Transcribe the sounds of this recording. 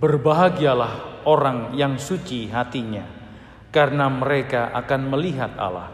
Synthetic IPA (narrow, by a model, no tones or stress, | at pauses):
bərbaɦaɡialahoɾaŋjaŋsut͡ʃiɦat̪iɲa | kaɾənaməɾekaʔakanməliɦat̪a̰la̰h